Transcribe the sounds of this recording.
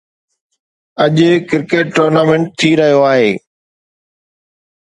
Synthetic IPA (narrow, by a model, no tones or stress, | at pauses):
ɐʄkɪɾkeːʈːoːɾnaːmẽɳʈ̚t̪ʰiɾɐɦijoaːɦeː